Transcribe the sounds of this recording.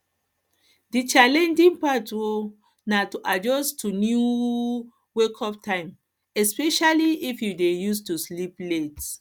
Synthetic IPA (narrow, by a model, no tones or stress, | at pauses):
dit͡ʃalɛ̃nd͡ʒĩŋpatwo | natuʔad͡ʒɔstunju | wekʰɔp̚tʰãɪ̃m | ɛspɛʃaliʔifjudejustusliplet